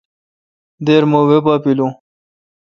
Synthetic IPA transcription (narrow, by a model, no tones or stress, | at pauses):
d̪eːɾmowepapilũ